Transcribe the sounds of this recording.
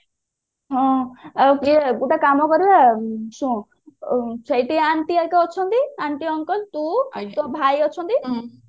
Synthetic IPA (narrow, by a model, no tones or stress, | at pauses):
ɦɔ̃kibuʈakamɔkɔɾilasũ | sʰəjʈ̪iaɳʈ̪iaɾkeɔt͡ʃʰɔnt̪iaɳʈiɔŋkɔlt̪ut̪ɔbʱajɔt͡ʃʰɔnt̪i